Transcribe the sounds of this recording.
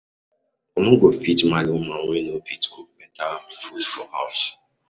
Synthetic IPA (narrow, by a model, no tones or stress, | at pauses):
omʊ̃ɡofitmalɪmaŋʷenofitkumɛtalafufɔha̰s